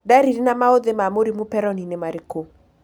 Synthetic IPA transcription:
daɾiɾinamaod̪emamoɾimupɛɾɔninemaɾɪko

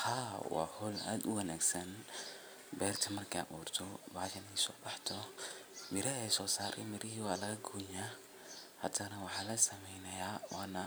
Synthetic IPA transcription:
hawɑ̰ːhɔla̰ːd̪ʊwɐnaːɡsɐn | bɛːrt̪ʰɐmɐrkʰa̰ːʔuːrt̪ʰɔbaːʃɐnɛjsɔːbɑħt̪ʰɔ | mɪɾɐɛsɔːsaːɾʔɛ̰mɪɾɪɦiːwaːlɐɣɐɡoːja | hɐ̰t̪ʰɐnɐwɑħaːlɐsɐmɛjnɐjaːwaːnɐ

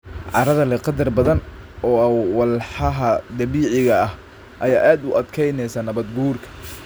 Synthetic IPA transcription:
ʕɑ̰ɾɐðɐlɛqɑd̪ɐrbɐðɐnɔːwɑlħɑɦɐd̪ɐβiːʕɪɣɐɐh | ʔɐjaːʔaːd̪ʊʔɐd̪kʰɛjnɛjsaːnɐβɐd̪ɡuːrkʰɐ̥

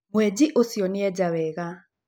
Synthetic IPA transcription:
mwɛd͡ʑiʔosjɔnɪɛd͡ʒawɛɣa

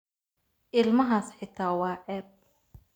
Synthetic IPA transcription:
ʔɪlmɐɦaːsħɪt̪ʰaːwɑːʕɛːb̚

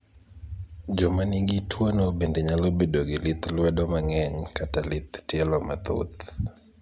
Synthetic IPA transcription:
d͡ʒɔmaniɡitʰwanɔbendɛɲalobedoɡelit̪lɛdɔmaŋɛɲkatalit̪tɛlɔmat̪ṵt̪

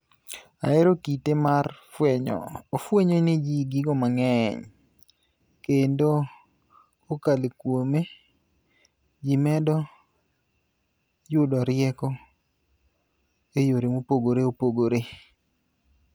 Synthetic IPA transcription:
a̰ɪɾokitemarfwɛɲɔ̰ofweɲoned͡ʒiɡɪɡɔmaŋɛɲ | kendo | okalekwome | d͡ʒimɛdɔ | jʊdɔɾɪɛkɔ | ejoɾemopoɡoɾeopoɡoɾe

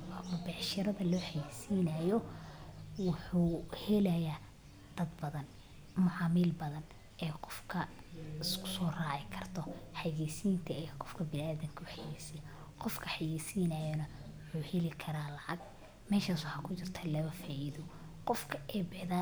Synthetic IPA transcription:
mʊbɛʕʃɐɾɐðɐlɔːħajiːsiːnɐjɔ | wʊħuːhɛlɐjaː | d̪̥ɐd̪bɐðɐn | mʊʕɑːmilbɐðɐn | ɛːqɔfkʰɐ | skʊ̥sɔːraːʕɪkʰɐrt̪ʰɔħaɣɛːsiːnt̪ʰɐɛqɔfkʰɐbɪnaːðɪŋkʰɐʊħajɛːsij | qɔfkʰɐħajɛːsiːnɐjɐnɐ | wʊħuːhɛlɪkʰɐɾaːlɑʕɑɡ | mɛːʃaːswʊħaːkʰʊt͡ʃɪrt̪ʰalɐβɐfaːʔiðɔ | qɔfkʰɐʔɛbɐða

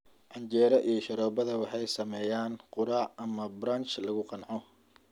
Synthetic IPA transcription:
ʕɑɲt͡ʃɛːɾɐʔijɔʃɐɾɔːbɐðɐwɑħɑjsɐmɛːjaːnqʊɾaːʕʔɐmɐbɾaːnt͡ʃlɐɣʊqɑnʕɔ

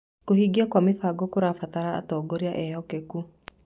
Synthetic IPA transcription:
kohiɡiakwamefaɡɔkoɾafataɾa̰ːtɔːɡɔɾiaʔɛhɔkɛku

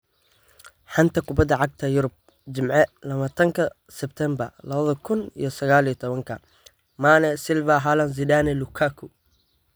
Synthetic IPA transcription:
ħɑnt̪ʰɐkʰʊbɐd̪ːɐʕɑɡ̚t̪ʰɐjʊɾʊb̚ | d͡ʒɪmʕɛlɐβaːt̪ʰɐŋkʰɐ | sɛb̚t̪ʰɛmbɐrlɐβɐðɐkʰʊnḭjɞsɐɣaːlijɞt̪ʰɔβɐŋkʰɐ | manɛsɪlvaɦaːlɐns̬ɪd̪aːnɛlʊkʰaːkʰʊ

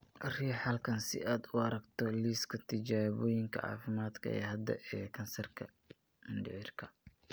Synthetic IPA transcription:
riːħɐlkʰɐnsɪ̰ʔaːd̪ʊɐɾɐɡt̪ʰɔliːskʰɐt̪ʰɪt͡ʃaːβɔːjɪŋkʰɐ̰ʕɑ̰ːfɪmaːd̪kʰɐ̰ɛ̰ːɦɐd̪ɐ̰ʔɛːkʰɐnsɐrkʰɐ | mɪnɖɪʕɪrkʰɐ

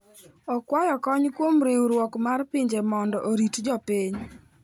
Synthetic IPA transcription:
ɔkwajɔkɔɲkwomɾewɾwɔkmarpɪɲd͡ʒemɔndɔʔoɾitd͡ʒɔpiɲ

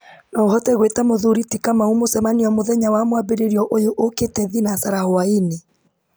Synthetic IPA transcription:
nɔoɦɔtɛɣwetamoðuɾitikamaumosɛmaniɔmoðɛɲawamwabeɾeɾiɔʔojoʔoketɛðinasaɾahoaine

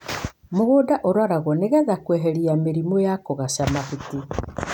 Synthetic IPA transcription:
moɣoːdaʔoɾwaɾaɣɔneɣɛðakwɛɦɛɾiameɾimɔjakɔɣaʃamahuti

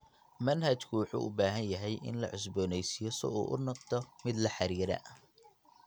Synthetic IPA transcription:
mɐnɦɐt͡ʃkʰʊwɑħṵːʔʊbaːɦɐnjɐɦɛjʔɪ̰nlɐ̰ʕʊs̬bɔːnɛjsijɔsɔ̰ʔṵːʔʊnɐqd̪ʰɔmɪd̪lɐħɑɾiːɾɐ̰ʔ

